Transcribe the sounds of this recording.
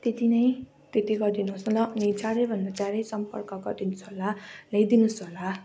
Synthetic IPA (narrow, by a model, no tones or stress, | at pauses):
t̪et̪inʌj | t̪et̪iɡʌrd̪inusʌlʌnet͡sʰaɾʌjbʱʌnːʌt͡sjaɾʌjsʌmpʌ̰rkʌɡʌrd̪inusɦolalʌjd̪inusɦola